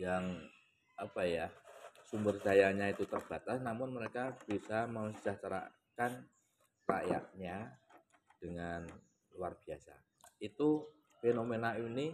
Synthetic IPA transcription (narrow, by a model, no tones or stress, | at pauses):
jaŋ | apajasumbərsajaɲait̪ut̪ərb̥at̪asnamʊnməɾekab̥isaməmsi̥saht͡ʃəɾa̰ | kan | ra̰ja̰ʔɲa | d̥əŋan | luarb̥iasa̰ | nait̪u | fenomenaini